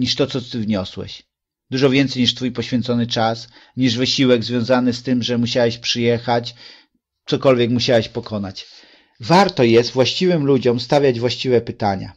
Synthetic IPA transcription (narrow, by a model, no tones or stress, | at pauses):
ɲiʂt̪ɔt̪sɔt̪ɘvɲɔswɛ̰ɕ | d̪uʐɔvʲjɛnt̪sɛjɲiʂt̪fujpɔɕfʲjɛnt̪sɔnɘt͡ʂas | ɲiʐvɘɕiwɛɡzvʲjɔ̃w̃zanɘst̪ɘmʐɛmuɕawɛɕpʂɘjɛxat͡ɕ | t̪sɔkɔlvʲjɛkmuɕawɛɕpɔkʰɔnat͡ɕ | vaɾt̪ɔjɛst̪vwaɕt͡ɕivɘmlud͡ʑɔmst̪avʲjad͡ʑvwaɕt͡ɕivɛpɘt̪aɲa̰